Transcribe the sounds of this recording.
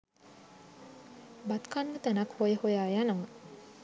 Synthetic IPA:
bat̪kanːət̪ænakhojəhojaːjanɐmə

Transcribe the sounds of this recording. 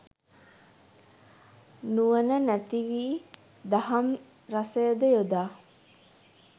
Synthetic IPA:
nuʋənənæt̪iʋiː | d̪aɦɐm | ɾasəjəd̪əjod̪aː

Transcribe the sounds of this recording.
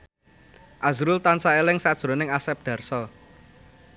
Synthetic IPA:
ʔazɾʊlt̪ansaelɪŋsad̥ʒ̥ɾo̤nɪŋasɛp̚d̪̥ä̤rsɔ

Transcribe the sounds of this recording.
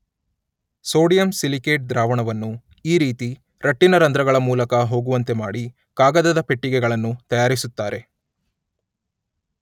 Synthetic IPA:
so̞ːɽijɐmsilike̞ːʈ̚d̪ɾaːʋɐɳɐʋɐnːu | iːɾiːt̪i | ɾɐʈːinɐɾɐnd̪ɾɐɡɐɭɐmuːlɐkɐɦo̞ːɡuʋɐnt̪e̞maːɽi | kaːɡɐd̪ɐd̪ɐpe̞ʈːiɡɛɡɐɭɐnːut̪ɐjaːɾisut̪ːaːɾe̞

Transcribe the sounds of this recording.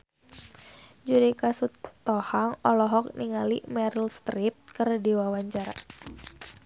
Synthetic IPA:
d͡ʒuɾikasut̪ːɔhaŋɔlɔɦɔk̚niŋalḭmɛɾilst̪ɾip̚kərdiwawaɲt͡ʃaɾa̰

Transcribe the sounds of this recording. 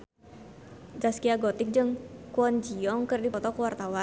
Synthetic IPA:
d͡ʒaskiaɡɔt̪ɪk̚d͡ʒəŋkuɔnd͡ʒiɔŋkərdipɔt̪ɔkəwart̪awa

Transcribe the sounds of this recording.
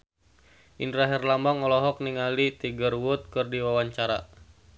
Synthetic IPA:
ʔindɾaɦɛrlambaŋɔlɔɦɔk̚niŋalit̪iɡərwʊt̪̚kɨrdiwawaɲt͡ʃaɾa̰

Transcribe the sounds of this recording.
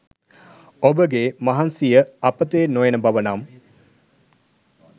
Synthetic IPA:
obəɡemɐɦansijəapət̪eːnojenəbaʋənam

